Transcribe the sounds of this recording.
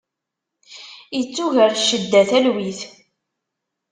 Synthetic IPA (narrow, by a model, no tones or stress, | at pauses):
jət͡sːuʝəɾʃəd̪ːæθælwiθ